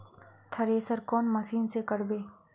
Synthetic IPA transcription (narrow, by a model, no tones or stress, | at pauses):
t̪ʰɐɾeːsəɾkɔːnmɐsiːnsekəɾbeː